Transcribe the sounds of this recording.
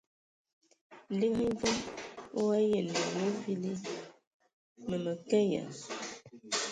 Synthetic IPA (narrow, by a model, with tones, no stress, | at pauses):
li˦vo˦mo˦a˦je˨n˨ə˨we˦vi˦li˦ | mə˨mə˨kɛ˦ja̰˨